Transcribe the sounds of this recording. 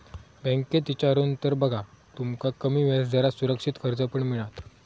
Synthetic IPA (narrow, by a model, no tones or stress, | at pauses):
bɛ̃ŋket̪it͡ɕaɾuːnt̪əɾbəɡʱat̪umkakəmiːʋasd͡zaɾasuɾəkʂit̪kʰəɾd͡zəpəɳmiɭat̪